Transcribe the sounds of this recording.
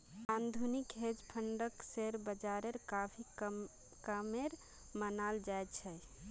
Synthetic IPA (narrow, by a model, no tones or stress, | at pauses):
and̪ʱunikɦed͡ʒpʰəɳɖəkseɾbəd͡ʒaɾeɾkapʰi | kəmeɾ | mənald͡ʒajt̪t͡ʃʰɛ